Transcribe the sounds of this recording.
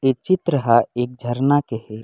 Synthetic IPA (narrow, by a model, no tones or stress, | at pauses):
et͡ʃɪt̪ɾəɦaeːk̚d͡ʒʱəɾnakehɛ